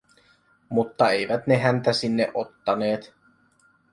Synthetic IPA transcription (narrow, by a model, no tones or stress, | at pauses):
mut̪ːɑejʋæt̪ne̞ɦænt̪æsinːeʔot̪ːɑne̞ːt̪